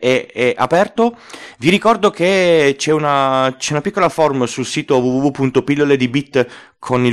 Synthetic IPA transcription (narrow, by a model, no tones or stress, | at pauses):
eɛʔapɛrt̪oviɾikɔrd̪oket͡ʃɛunat͡ʃɛunapikːolaformsulsiːt̪ovuvuvupːunt̪opilːoled̪ibit̪ː | kʰoni